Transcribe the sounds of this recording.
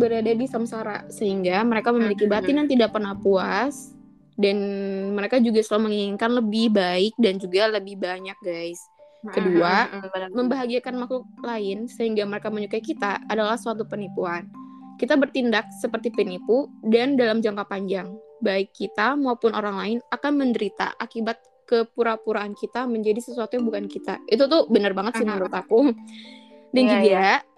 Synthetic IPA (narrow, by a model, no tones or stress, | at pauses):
bəɾadadisamsaɾa̰səɦiŋɡaməɾekaməmilikibaat̪injaŋt̪idak̚pərnahpuas | danməɾekad͡ʒuɡaslalməŋiŋiŋkanləbɪhbaɪk̚dand͡ʒuɡaləbɪhbaɲak̚ɡajs | kəduaməmbaɦaɡiakanmakuklaɪnsəɦiŋɡaməɾekaməɲukaikit̪aːdalahsəat̪̬upənipuan | kit̪abərt̪indak̚səpərt̪ipənipudandalamd͡ʒaŋkapaɲd͡ʒaŋbaɪkːit̪amaupʊnoɾaŋlaɪnakanməndəɾit̪a̰ʔakibat̪̚ | kəpuɾapuɾaːnkit̪aməɲd͡ʒadisəsuat̪ujaŋbukankit̪a̰it̪̬ut̪ʊhbənərbaŋət̪simnɾʊt̪aku | dand͡ʒidia